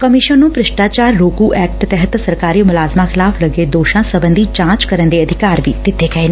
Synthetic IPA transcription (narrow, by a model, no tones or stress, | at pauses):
kəmɪʃənnũːpɾɪʃʈaːt͡ʃaːɾɾoːkuːʔɛːk̚ʈt̪ɛɦət̪səɾkaːɾiːmʊlaːzmãːxʰɪlaːpʰləɡeːd̪oːʃãːsəbənd̪iːt͡ʃãːt͡ʃkəɾənd̪eːəd̪ʱɪkaːɾʋḭːt̪ɪt̪ʰːeːkɛen